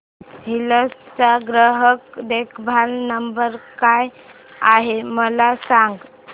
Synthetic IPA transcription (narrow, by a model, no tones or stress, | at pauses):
ɦiləst͡saɡɾəɦəkd̪ekʰbʱalnəmbəɾkaj | aɦeməlasaŋɡ